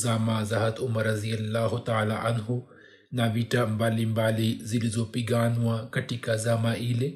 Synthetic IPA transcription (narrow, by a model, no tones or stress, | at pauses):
zaːmaːzɐɦɐt̪ʊmɐɾɐzijɐlːaːɦut̪aːlaʔɐnɦu | naːʋiːʈambaːlimbaːlizilizopiɡaːnuwãkɐʈikazaːmaʔiːle